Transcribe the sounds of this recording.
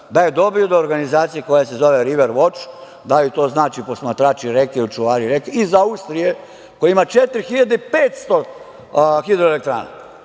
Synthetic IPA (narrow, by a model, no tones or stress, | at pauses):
d̪ajed̪o̞biod̪oːɾɡanizaːt̪sijeko̞jese̞zoʋeɾiʋeɾʋo̞t͡ʃ | d̪alit̪o̞ːznaːt͡ʃipo̞smat̪ɾaːt͡ʃiɾekeiut͡ʃuʋaːɾiɾekizaust̪ɾije | kojimat͡ʃet̪ɾxiʎad̪eipeːt̪st̪o | xid̪ɾoelek̚t̪ɾa̰ːna̰